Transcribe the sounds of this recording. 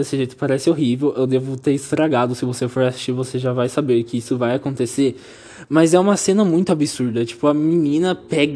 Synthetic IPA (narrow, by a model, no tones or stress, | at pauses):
esɪʒejt̪ʊ̥paɾɛsɪoɦivewewd̪evʊt̪eɾɪst̪ɾaɡad̪ʊsɪvosefoɾasi̥sʃt͡ʃiɾvoseʒavajsabeɾkɪisʊvajakõnt̪eseɾ | mɐzɛũmɐsẽnɐmũj̃t̪ʊabisuɾd̪ɐt͡ʃi̥pʊɐminĩnɐpɛɡ